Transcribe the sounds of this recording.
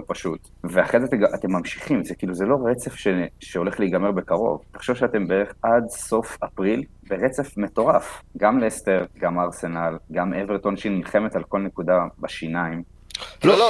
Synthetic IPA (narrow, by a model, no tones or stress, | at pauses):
opaʃut̪ | veaχezateɡaʔat̪emːamʃi̥χimzekiːluzelo̞ʁet͡sefʃeʃeo̞le̞χlejɡame̞ʁbekaʁo̞̰vt̪ḁχʃevʃeate̞mbeeʁeχad̪so̞fapʁil | beʁet͡sefme̞to̞ʁafɡamleesteʁɡamaːʁse̞nalɡamʔeveʁt̪o̞naʃinnilχe̞met̪alko̞lne̞kud̪abaʃinaim | o